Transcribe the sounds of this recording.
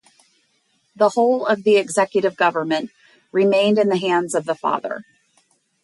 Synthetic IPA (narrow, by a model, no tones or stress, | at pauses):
ðəhoʊlˠʌvðiɨɡzɛkjɨɾɨvɡʌvə˞mɨ̃nʔ | ɹɪmẽɪ̃ndɨ̃nðɨɦæ̃ndzʌvðəfɑ̰ðə̰˞